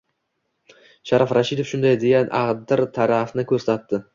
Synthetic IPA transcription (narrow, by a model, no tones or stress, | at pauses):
ʃaɾafɾaʃid̪ofʃʊnd̪ajd̪e̞ɡʲanʔaʁd̪ɪɾt̪ʰaɾafnɪkʰɵɾsat̪ːɪ